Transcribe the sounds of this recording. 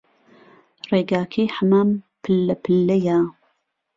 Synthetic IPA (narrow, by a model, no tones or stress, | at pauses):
reːɡaːkʰiːħamaːmpʰɨlːɐpʰɨlːɐjaː